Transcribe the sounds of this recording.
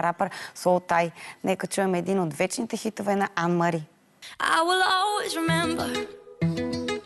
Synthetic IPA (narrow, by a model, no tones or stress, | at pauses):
ɾapəɾsolˠt̪ajnɛkət͡ʃuɛmɛɛd̪inot̪vɛt͡ʃnit̪ɛxit̪ovɛnɐʔanmɐɾi | ʔa̰ɪwɪlˠɔlˠwizɹɪmɛ̃mbə